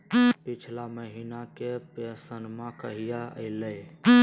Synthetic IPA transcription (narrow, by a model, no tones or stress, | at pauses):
pit͡ʃʰlaməɦinakepesənmãkəɦijaə̰ɪləj